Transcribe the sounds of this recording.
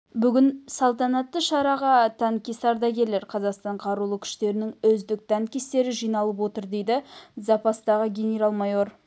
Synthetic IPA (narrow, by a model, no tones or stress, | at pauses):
bʏɡʲɪnsɑlˠt̪ɑnɑt̪ːəʃɑɾɑʁɑt̪ʰæŋkʲesɑɾd̪ɑkʲe̞le̞ɾqʰɑzɑqst̪ɑɴqʰɑɾulˠəkʲʰʏ̥ʃt̪e̞ɾɪnɪŋɵzd̪ɪk̚t̪ʰæŋkʲest̪e̞ɾɪʒijnɑlˠəp̬wo̞t̪əɾd̪e̞jd̪ɪzɑpɑst̪ɑʁəɡʲe̞nʲeɾɑlˠmɑjo̞ɾ